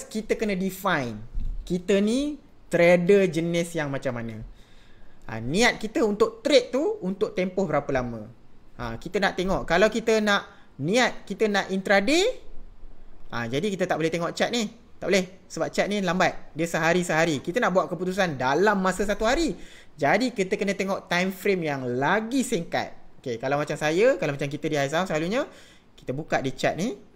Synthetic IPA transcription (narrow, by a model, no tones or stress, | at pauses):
skit̪əkənə̃difajnkit̪ənĩ | t̪ɾedəd͡ʒənɪsjaŋmat͡ʃamːanə̃ | ʔa̰nĩat̪̚kit̪əunt̪ʊʔ̚t̪ɾɪʔ̪̚t̪uunt̪ʊk̚t̪empʊhbəɾapəlamə̰̃ʔa̰kit̪ənaʔt̪eŋɔʔkalawkit̪ənaʔ | nĩat̪̚kit̪ənaʔint̪ɾade | ʔã̰d͡ʒadikit̪ət̪aʔ̚bolɛht̪eŋɔʔt͡ʃat̪̚ni | t̪a̰ʔbolɛh | səbap̚t͡ʃat̪̚nilambat̪̚diəsəɦaɾisəɦaɾikit̪ənaʔbuat̪ʔ̚kəput̪us̬andalamːasəs̬at̪uɦaɾi | d͡ʒadikit̪əkənə̃t̪eŋɔʔt̪ajmfɾemjaŋlaɡisiŋka̰t̪̚okekalawmat͡ʃamsajəkalawmat͡ʃamk̬it̪ədiais̬aaslaluɲə | ki̥t̪əbukat̪̚dit͡ʃa̰t̪̚ni